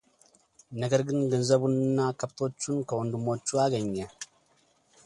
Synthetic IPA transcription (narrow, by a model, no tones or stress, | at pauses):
nɐɡɐɾɡɪnɡɐnzɐbʊnːakɐbt̪oːt͡ʃːunkɐwɔnd̪ʊmoːt͡ʃːuaːɡɐɲːɐ